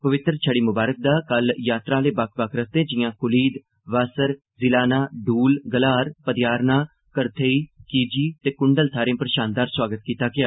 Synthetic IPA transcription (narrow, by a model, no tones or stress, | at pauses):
pəʋɪt̪ɾt͡ʃʰəɽiːmʊbaːɾək̚d̪aːkəljaːt̪ɾaːleːbak̚ʰbakʰɾəst̪ẽːd͡ʒɪjãːkʊliːd̪ | ʋaːsəɾ | zɪlaːnaːɖuːlɡəlaːɾpəd̪jaːɾnaː | kəɾt̪ʰeːiːkiːd͡ʒiːt̪eːkʊɳɖəlt̪ʰaːɾẽːpəɾʃaːnd̪aːɾswaːɡət̪̚kiːt̪aːɡɪjaː